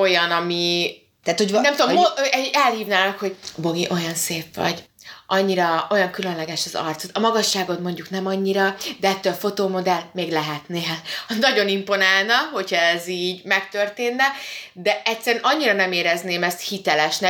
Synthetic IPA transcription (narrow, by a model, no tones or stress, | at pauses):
o̞jɒnɒmi | t̪aːt̪honnɛmt̪od̪ommɛɛlhiːvnaːlɒkho̞ɟbo̞ɡiʔo̞jɒnseːfʋɒ̰ɟ | ʔɒɲːiɾɒo̞jɒŋkylø̞nlɛɡɛʃɒzɒ̰rt̪sot̪ɒmɒɡɒʃːaːɡo̞t̪mo̞ɲɟuknɛmɒɲːiɾɒd̪ɛɛt̪ːøːlfo̞t̪oːmo̞d̪ɛlmeːɡlɛɦɛt̪neːlɒnɒɟo̞nimpo̞naːlnɒɦo̞cʰhɒɛziːɟmɛkt̪ø̞rt̪eːnːɛd̪ɛɛctsɛɾɛnʔɒɲːiɾɒnɛmeːɾɛzneːmɛst̪hit̪ɛlɛʃnɛ